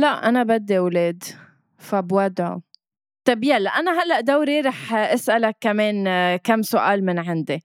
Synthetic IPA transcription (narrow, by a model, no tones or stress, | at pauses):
laʔʔanabad̪ːiwleːd̪ | fabwad̪ʕʊ̰ | t̪ˤɑbjalːaʔanaɦalːaʔd̪awɾiɾˤɑːħʔɪsʔalakːameːnkamːsʊʔaːlmɪnʕɪnd̪i